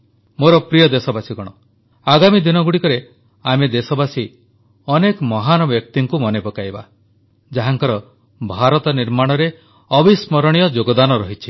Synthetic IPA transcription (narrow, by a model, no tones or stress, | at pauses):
moɾɔpɾijɔd̪esɔbasiɡɔɽ̃ɔ | aɡamid̪inɔɡuɽikɔɾe | amed̪esɔbasi | ɔnekɔmɔɦanɔbjɔk̚t̪iŋkumɔnepɔkajba̰ | d͡ʒaɦaŋkɔɾɔ | bʱaɾɔt̪ɔniɾmaɽ̃ɔɾe | ɔbʱismɔɾɔɽ̃ijɔd͡ʒoɡɔd̪anɔɾɔɦit͡ʃʰi̥